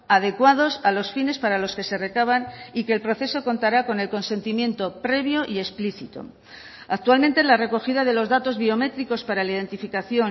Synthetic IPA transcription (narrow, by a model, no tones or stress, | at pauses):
aðe̞kwað̞o̞salo̞sfine̞spaɾalo̞ske̞se̞re̞kaβ̞anike̞ːlpɾo̞θe̞so̞ko̞nt̪aɾako̞ne̞lko̞nse̞nt̪imje̞nt̪o̞pɾe̞βjo̞ʔie̞spliθit̪o̞̰ | ak̚t̪ualment̪elare̞ko̞xiðað̞e̞lo̞zðat̪o̞zβio̞me̞t̪ɾiko̞spaɾalaið̞e̞nt̪ifikaθjo̞n